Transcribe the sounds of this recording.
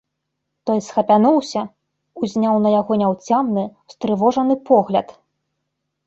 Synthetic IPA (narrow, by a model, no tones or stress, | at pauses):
t̪ɔjsxɐpʲanuwsʲɐ | uzʲnʲawnɐjaɣɔnʲawt͡sʲamnɨ | st̪ɾɨvɔʐɐnɨpɔɣlʲɐt̪